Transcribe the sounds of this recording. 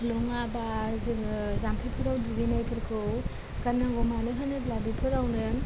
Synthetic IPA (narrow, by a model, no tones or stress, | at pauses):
loŋabazizampʰipʰɯɾawduɡinajkʰɯɾkʰɯw | kanaŋɡɔmalɯɦanɯblabipʰɯɾawnɯ